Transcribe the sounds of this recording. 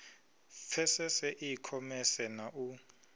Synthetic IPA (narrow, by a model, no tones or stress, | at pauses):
fʰɛsɛsɛʔikʰɔmɛsɛnaʔu